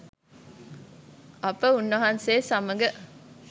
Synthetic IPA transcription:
ɐpəunːɐɦanseːsɐmɐɡə

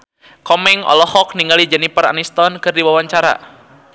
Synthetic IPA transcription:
kɔmɛŋɔ̰lɔhɔk̚niŋɡalid͡ʒɛnipəra̰nist̪ɔnkɨrdiwawaɲt͡ʃaɾa̰

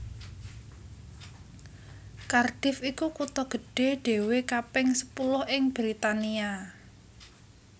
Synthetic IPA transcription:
karɖ̥ɪ̤fikukut̪ɔɡ̥ə̤ɖ̥e̤ɖ̥e̤wekapɪŋsə̥pulʊhʔɪŋb̥ɾit̪ania

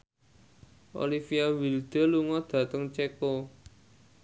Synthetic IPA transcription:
ʔo̰lifiawild̪̥ə̤luŋɔd̪̥ä̤t̪əŋt͡ʃeko

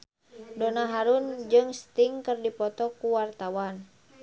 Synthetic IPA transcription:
dɔnaɦaɾund͡ʒɨŋst̪iŋkɨrdipɔt̪ɔkuwart̪awan

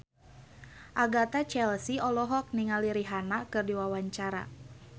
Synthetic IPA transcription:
ʔaɡat̪at͡ʃɛlsiɔlɔɦɔk̚niŋaliɾiɦanakɨrdiwawaɲt͡ʃaɾa̰

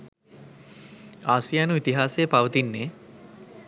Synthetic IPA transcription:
asijanuit̪iɦasepawət̪inːe

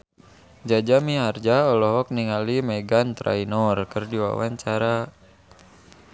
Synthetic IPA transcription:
d͡ʒad͡ʒamiɦard͡ʒaɔlɔɦɔk̚niŋalimɛɡant̪ɾa̰inɔrkɨrdiwa̰wa̰ɲt͡ʃaɾa

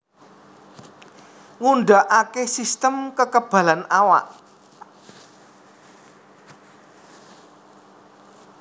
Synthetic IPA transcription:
ŋunɖaʔakesist̪əmkəkəb̥a̤lanawa̰ʔ

